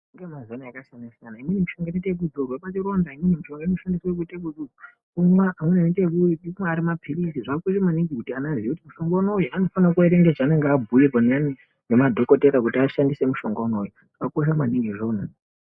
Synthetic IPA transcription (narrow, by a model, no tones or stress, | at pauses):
iŋɡemazonaakasanasjanaimwinimiʃo̞ŋɡot͡ʃeteek̬ud͡zurwepat͡ʃiro̞ndaiminimiʃoŋɡoenoʃandiswek̬utek̬ud͡zurwo | umwaʔamwenanitekuiiumaːɾimapʰirisiʐakuʃ̬amaniŋɡikutianazijekutimuʃo̞ŋɡono̞ujuano̞fanakueɾeŋɡeʐaːne̞ŋɡeabʱuironani | nemadʱo̞ko̞teɾakutiaʃandise̞muʃo̞ŋɡono̞ju | akoʃ̬amaniŋɡiʐo̞ːna